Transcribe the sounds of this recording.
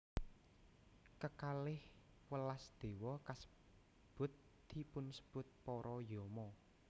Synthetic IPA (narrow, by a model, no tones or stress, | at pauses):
kəkalɪh | wəlasd̪̥e̤wɔkasə̥ | b̥ʊ̤t̪̚ | d̪̥ipʊnsə̥b̥ʊt̪̚pɔɾʔɔjɔmɔ